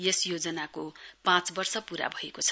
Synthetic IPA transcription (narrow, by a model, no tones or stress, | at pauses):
jesjod͡zʌnakopãt͡sbʌrsʌpuɾa̰bʱʌekot͡sʰʌ̥